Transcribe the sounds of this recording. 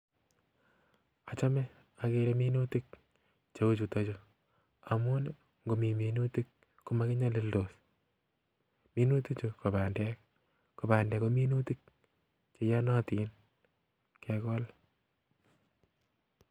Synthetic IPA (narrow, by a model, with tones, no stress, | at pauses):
a˨t͡ʃa˦mɛ˦ | a˨ke˦ɾe˦mi˦nu˦ti˦k̚ | t͡ʃe˦u˦t͡ʃu˨to˦t͡ʃo˨ | a˨mu˦n | ŋɡo˨mi˨mi˨nu˦ti˦kː | ʊ˦ma˦kɪ˦ɲa˦lɪ˦ldo˨s | mi˦nu˦ti˦t͡ʃo˨ko˨ba˨ndɛ˦k | ko˨ba˨ndɛ˨ko˦mi˦nu˦ti˦k̚ | t͡ʃe˨ja˦nɔ˦ti˦n | kʰɛ˨kɔ˦l